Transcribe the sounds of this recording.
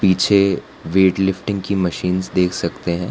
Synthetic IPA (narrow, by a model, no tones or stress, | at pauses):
piːt͡ʃʰe | ʋeːʈlɪfʈɪ̃ŋɡkimɐʃiːnzd̪eːkʰsɐkt̪eɦɛ̃ː